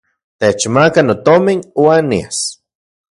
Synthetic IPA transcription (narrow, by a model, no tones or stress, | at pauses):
t̪et͡ʃmakanot̪ominwanḭas